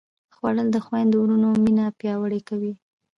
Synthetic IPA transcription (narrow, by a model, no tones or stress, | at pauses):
xwaɽəld̪əxwajnd̪wɾunominapjɑwəɽekawi